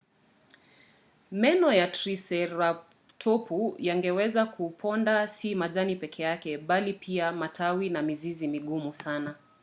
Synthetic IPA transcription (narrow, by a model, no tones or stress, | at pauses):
mɛnɔjatɾisɛɾa | tʰɔpujaŋɡɛwɛzakʰupʰɔndasimazanipɛkʰɛjakɛɓalipʰiamatʰawinamizizimiɠumusana